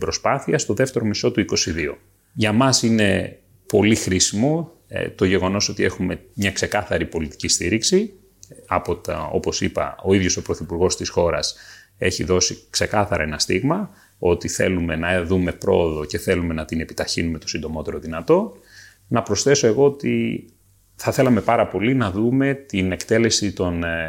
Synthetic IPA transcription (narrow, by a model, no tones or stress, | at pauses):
bɾo̞spɐθiɐst̪o̞ðe̞ft̪e̞ɾo̞miso̞t̪uiko̞siðio̞̰ | ʝɐmɐsine̞ | po̞lixɾisimo̞̰ | t̪o̞ʝe̞ɣo̞no̞so̞t̪ie̞xume̞mɲɐkse̞kɐθɐɾipo̞lit̪i̥cist̪iɾiksi | ɐpot̪ɐo̞̰po̞sipɐ̰o̞iðʝo̞so̞pɾo̞θipuɾɣo̞st̪isxo̞ɾɐ̰s | e̞çiðo̞sikse̞kɐθɐɾɐe̞nɐst̪iɣmɐ | o̞t̪iθe̞lume̞nɐðume̞pɾo̞̰ːðo̞ce̞θe̞lume̞nɐt̪ine̞pi̥t̪ɐçinume̞t̪o̞sind̪o̞mo̞t̪e̞ɾo̞ðinɐt̪o̞ | nɐpɾo̞sθe̞so̞e̞ɣo̞ot̪ḭ | θɐθe̞lɐme̞pɐɾɐpo̞linɐðume̞t̪inekt̪e̞le̞sit̪o̞n